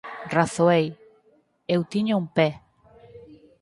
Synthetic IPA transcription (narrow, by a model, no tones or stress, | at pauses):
raθoej | ewt̪iɲʊumpɛ